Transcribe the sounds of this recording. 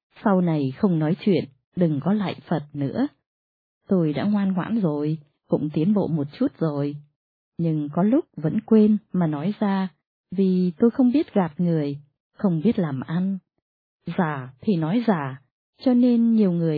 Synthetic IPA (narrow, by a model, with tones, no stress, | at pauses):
sa˧wna˨˩jxə˧wŋ͡mnɔ˨˦jt͡ɕwḭ˧˨ən | ɗɨ˨˩ŋkɔ˨˦la̰ː˧˨jfə˨˩t̚nɨ̰˧˥ə | t̪o˧jɗa̰ː˧˥ŋwaː˧nŋwa̰ː˧˥nzo˨˩j | kʊ̰˧˥ŋ͡mt̪i˨˦ənɓo̰˧˨mo˨˩t̚t͡ɕu˦˥t̚z̥o˨˩j | ɲɨ˧ŋkɔ˨˦lʊ˦˥k͡p̚və̰˧˥nkwe˧nmaː˨˩nɔ˨˦jzaː˧ | vi˨˩t̪o˧jxə˧wŋ͡mɓi˦˥ət̚ɣa˨˩p̚ŋɨ˨˩əj | xə˧wŋ͡mɓi˦˥ət̚laː˨˩mʔa˧n | zaː˧˩t̪ʰi˨˩nɔ˨˦jzaː˧˩ | t͡ɕɔ˧ne˧nɲi˨˩əwŋɨ˨˩əj